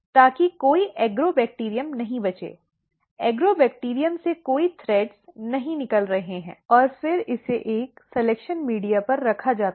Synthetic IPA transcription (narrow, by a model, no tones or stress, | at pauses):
t̪aːkikoːiʔɛːɡɾobɛːk̚ʈiːɾijəmnɐɦĩbɐt͡ʃḛː | ɛːɡɾoːbɛːk̚ʈiːɾijəmsekoːit̪ʰɾɛːɖsnɐɦĩnɪkəlɾɐɦeɦɛ̃ːɔːɾfɪɾɪseʔeːksɛlekʃənmiːɖijapɐɾːɐkʰad͡ʒaːt̪